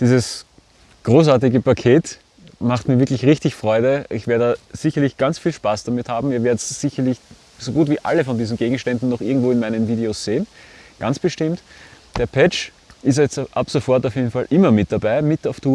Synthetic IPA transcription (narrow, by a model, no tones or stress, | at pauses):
d̥iːzəs | ɡ̥ʁoːsaːɐt̬ɪɡəpʰakʰeːt | maχtmiːɐvɪɐklɪçʁɪçtɪçfʁ̥ɔʏɾəʔɪçv̥eːɐdədz̥ɪçɐlɪçɡ̥ant͡sfiːlʃpaːsd̥amɪthaːbm̩iːɐveːɐdəsz̥ɪçɐlɪç | soɡuːtv̥iːʔa̰ləfɔndiːzn̩ɡeːɡŋ̩ʃtɛndn̩nɔχʔɪɐɡŋ̩tvoːɪnmæɪnənviːdeosz̥eːnɡ̥ant͡sb̥əʃtɪmt | d̥eːɐpʰɛt͡ʃ | ʔɪstjɛt͡stʔa̰psofɔɐtaʊfjeːdn̩falʔɪmɐmɪt̚d̥abaɪmɪtaʊftuː